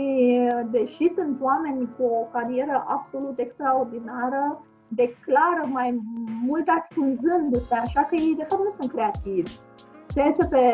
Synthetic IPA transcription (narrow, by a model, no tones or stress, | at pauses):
id̪e̞ʃisunt̪wame̞nʲkuokaɾie̞ɾəʔabso̞lut̪e̞kst̪ɾaord̪inaɾə | d̪e̞klaɾəmajmult̪askunzɨnd̪ust̪eaːʃakəjejd̪e̞fap̚t̪nusunt̪̚kɾe̞at̪ivʲ | t̪ɾet͡ʃepe